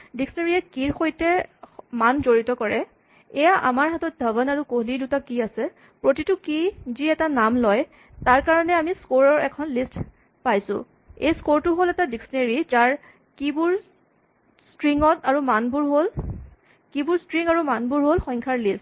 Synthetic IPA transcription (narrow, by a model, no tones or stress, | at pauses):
diksneɹiɛkiɹxojtɛmanzoɹitɔkɔɹɛ | ɛjaʔa̰maɹɦatɔt̚dʱabɔnaɹukoɦlidutakiasɛ | pɹotitʊkiziɛtanamlɔj | taɹkaɹɔnɛamiskoɹɔɹɛkʰɔnlist | pajsʊ̰̃ | ejskoɹtʊɦolɛtadiksɔneɹid͡ʒaɹ | kibʊɹ | stɹiŋɔtaɹumanbʊɹɦol | kibʊɹstɹiŋaɹumanbʊɹɦolxɔjŋkʰaɹlist